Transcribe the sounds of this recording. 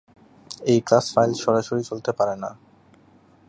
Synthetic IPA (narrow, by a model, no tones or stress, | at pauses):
ejklasfajlʃɔɾaʃoɾit͡ɕolt̪epaɾena̰